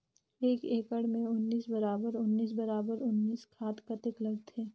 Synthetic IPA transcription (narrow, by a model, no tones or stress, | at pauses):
eːkeːkəɽmẽʊnːiːsbɐɾaːbəɾʊnːiːs̬bɐɾaːbəɾʊnːiːskʰaːt̪kɐt̪ɪklɐɡt̪ʰeː